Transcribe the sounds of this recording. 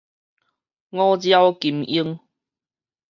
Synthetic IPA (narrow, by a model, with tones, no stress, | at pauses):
ŋɔ̃˦d͡ʑja˦wki˨˩mi˧˦ŋ